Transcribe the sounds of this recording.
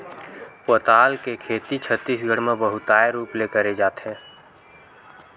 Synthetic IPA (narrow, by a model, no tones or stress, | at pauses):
poːt̪aːlkekʰeːt̪it͡ʃʰət̪ːiːsɡʱəɽmẽbəɦʊt̪aːeɾuːplekəɾed͡ʒaːt̪ɦɛ̃ː